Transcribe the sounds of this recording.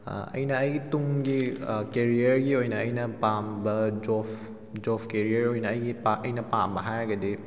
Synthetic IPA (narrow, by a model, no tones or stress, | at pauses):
ɐ̰jnɐːjɡituŋɡikeɾijɐɾɡiojnɐːjnɐpambɐd͡ʒopʰ | d͡ʒɔpʰkeɾiɐɾojnɐːjɡipaʔɐjnɐpambɐɦajɾɐɡɐdi